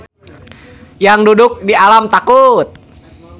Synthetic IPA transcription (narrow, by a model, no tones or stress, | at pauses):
jaŋdudʊk̚dialamt̪akut̪̚